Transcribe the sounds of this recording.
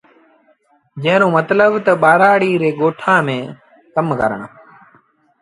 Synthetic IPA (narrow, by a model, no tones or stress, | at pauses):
d͡ʒə̃ɦɪnõːmət̪ləbt̪əɓaːɾaːɽiːɾeːɠoːʈʰãːmẽː | kəmkə̰ɾəɳ̃